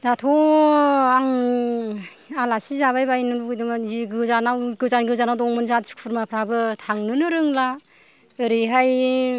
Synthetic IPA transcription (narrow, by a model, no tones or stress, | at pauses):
datʰɔ | aŋ | alasizaβajbajnɯɾuɡɯjdɯmaiɡɯzanawɡɯzanɡɯzanawdɔŋmɯnzatsu̥kpʰɯɾmapʰɾabɯtʰaŋnɯnɯɾɯŋla | ɯɾiɦaj